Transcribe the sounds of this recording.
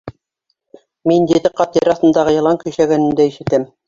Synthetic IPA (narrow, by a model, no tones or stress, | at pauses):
mind̪iðɘqɑt̪iɾɑθt̪ɤ̆nd̪ɑʁɤ̆jɤ̆lˠɑŋkɵ̆jʃæɡænɘ̆nd̪æiʃɘ̆t̪ɘm